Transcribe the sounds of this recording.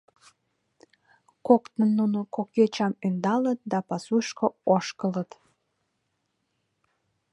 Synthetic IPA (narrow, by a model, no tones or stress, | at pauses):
kokt̪ənːunokoket͡ɕɑmynd̪ɑlət̪̚d̪ɑpɑsuʃkooʃkələt̪